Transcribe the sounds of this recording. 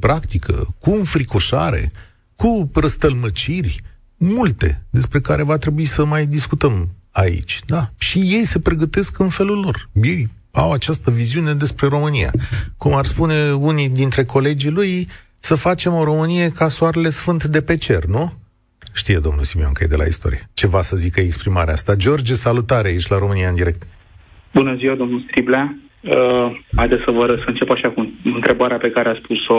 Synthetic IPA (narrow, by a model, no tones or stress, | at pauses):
pɾakt̪ikʰə̰kunfɾikoʃa̰ɾe̞̰ | kurəst̪əlmət͡ʃirʲ | mult̪e̞̰d̪e̞spɾe̞kaɾevat̪ɾe̞buisəmajd̪iskut̪əm | aḭt͡ʃʲd̪aʃijejse̞pɾe̞ɡət̪e̞skɨnfe̞lulːo̞rjej | a̰wat͡ʃast̪əviziune̞d̪e̞spɾe̞ɾo̞mɨnija̰kumarspune̞unid̪int̪ɾe̞ko̞le̞d͡ʒiluj | səfat͡ʃe̞mo̞ɾo̞mɨnije̞kasuaɾele̞sfɨnt̪d̪e̞pe̞t͡ʃe̞rnu | ʃt̪ijed̪o̞mnṵlsimioŋkəjḛd̪e̞lʔa̰ḭst̪o̞̰ɾijet͡ʃe̞vasəzikəeekspɾimaɾea̰st̪ad͡ʒo̞rd͡ʒesalut̪aɾeait͡ʃʲlaɾo̞mɨniaɨnd̪iɾe̞k̚t̪ | bunəziwad̪o̞mnulst̪ɾibla | əajd̪esəvəɾəsəɨnt͡ʃe̞paʃakuɨnt̪ɾe̞baɾeape̞kaɾeaspuso